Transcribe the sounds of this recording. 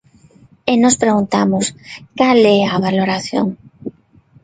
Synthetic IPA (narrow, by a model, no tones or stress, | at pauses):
enospɾeɣunt̪amʊskalɛaβaloɾaθjo̰ŋ